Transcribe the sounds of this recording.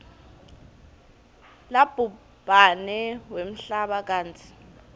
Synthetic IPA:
lab̥ʱu | b̥ʱanɛwem̩ɬaɓak̬ʼaːnt͡sʰi̥

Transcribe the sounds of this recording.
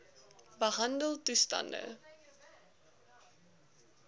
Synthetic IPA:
bəɦɐndəlˠtustɐ̰ndə̰

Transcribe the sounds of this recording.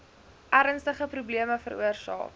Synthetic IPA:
ʔæɾənstəχəprubliəməfəɾṵərsɑ̰ː

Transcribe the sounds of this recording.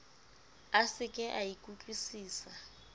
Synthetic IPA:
asɪkʼɛʔajikʼut͡ɬʼwisiːsa

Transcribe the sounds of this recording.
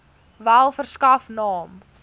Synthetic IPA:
vælˠfərskɐfnɑːm

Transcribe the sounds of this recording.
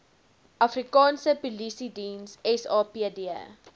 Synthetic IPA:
ʔɐfrikɑːnsəpulisidinsɛsɑːpiədiə̰

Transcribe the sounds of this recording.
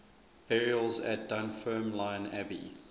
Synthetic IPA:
ɛɹiəlˠzæ̰t̚d̥ãnfɜːmlãɪ̃næbḭ

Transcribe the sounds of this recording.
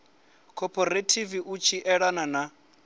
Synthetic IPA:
kʰɔpʰʼɔɾetʰiviʔut͡ʃʰiʔɛɺanana

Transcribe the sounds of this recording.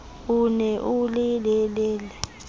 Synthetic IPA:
unɛʔulilɛlɛːlɛ

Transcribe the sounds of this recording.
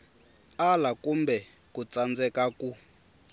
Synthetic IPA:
alakumbɛ | kut͡sʼand͡zɛkaku

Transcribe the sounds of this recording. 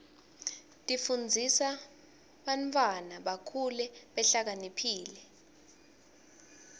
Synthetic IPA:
tʼifund͡zʱisa | ɓantʼwanaɓakʰulɛɓɛɬak̬anipʰiːlɛ

